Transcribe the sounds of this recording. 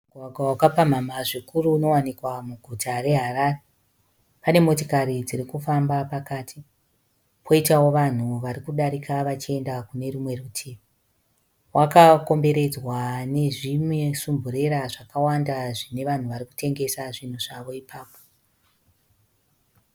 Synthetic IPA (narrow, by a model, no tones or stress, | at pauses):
uɡʱwaɡʱwawakapam̤amaʐikuruno̞wanikwamuɡʱutʰare̞ɦaraːre | pane̞mo̞t̬ikaɾid͡ziɾikufambapakaːtʰi | pʰo̞itawo̞ʋan̤uʋaɾikuɗaɾikaʋat͡ʃie̞ndakune̞ɾumwe̞rutʰiːʋi | wakako̞mbe̞ɾe̞d͡zwane̞ʐimwe̞sumbʱuɾe̞ɾaʐakawandaʐine̞ʋan̤uʋaɾiku̥te̞ŋɡe̞saʐin̤uʐaʋo̞ipaːpo̥